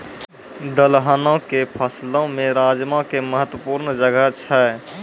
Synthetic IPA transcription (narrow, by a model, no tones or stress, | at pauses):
d̪əlɦənõkepʰəslõmẽɾaːd͡ʒmãkeməɦət̪wəpuːɾnd͡ʒəɡət͡ʃʰə